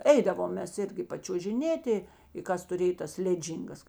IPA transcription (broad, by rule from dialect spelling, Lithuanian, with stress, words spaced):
ˈɛɪdɐʋoːm ˈmʲɛs ˈɪrʲɡʲɪ pɐt͡ʃʲuɔʒʲɪˈnʲeːtʲɪ ɪ ˈkɐs tʊˈrʲeːj tɐs ˈlʲæːˌd͡ʒʲiːŋɡɐs